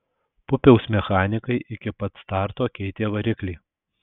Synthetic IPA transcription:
pʊpʲɛʊsmʲɛxɑːnʲɪkɐɪʔɪkʲɪpɐt̪st̪ɑˑɾt̪oːkʲɛɪt̪ʲeːʋɐɾʲɪklʲɛɪ

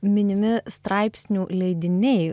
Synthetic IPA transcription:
mʲɪnʲɪmʲɪst̪ɾɑɪpʲsʲnʲuːlʲɛɪd̪ʲɪnʲɛɪ

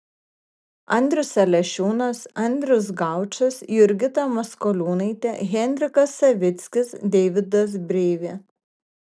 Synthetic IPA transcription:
ɐnʲd̪ʲɾʲʊsɐlʲɛʃʲuːnɐsɐnʲd̪ʲɾʲʊs̬ɡɑˑʊt͡ʃʲɐsjʊɾʲɡʲɪt̪ɐmɐskɔlʲuːnɐɪt̪ʲɛɣʲɛnʲd̪ʲɾʲɪkɐsːɐʋʲɪt̪sʲkʲɪsd̪ʲɛːʋʲɪd̪ɐs̬bʲɾʲeːʋʲeː

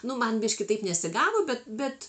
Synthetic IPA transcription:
nʊmɐnbʲiʃkʲɪt̪ɐɪpnʲɛsʲɪɡɑːʋoːbʲɛt̪bʲɛt̪

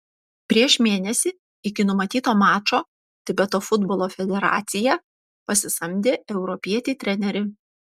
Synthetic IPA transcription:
pʲɾʲiɛʃmʲeːnʲɛsʲɪ | ɪkʲɪnʊmɐt̪ʲiːt̪oːmɑːt͡ʃoː | t̪ʲɪbʲɛt̪oːfʊd̪bɔːlˠoːfʲɛd̪ʲɛɾɑ̰ːt̪sʲɪjɛ | pɐsʲɪsɐmʲd̪ʲeːɛʊɾɔpʲiɛt̪ʲɪt̪ʲɾʲɛnʲɛɾʲɪ

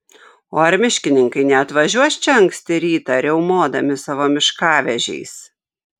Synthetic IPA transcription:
oːɐɾʲmʲɪʃʲkʲɪnʲɪŋkɐɪnʲɛɐt̪ʋɐʒʲuɔsʲt͡ʃʲɛɐŋksʲt̪ʲɪɾʲiːt̪ɐɾʲɛʊmoːd̪ɐmʲɪsɑʋoːmʲɪʃkɑːʋʲɛʒʲɛ̰ɪs

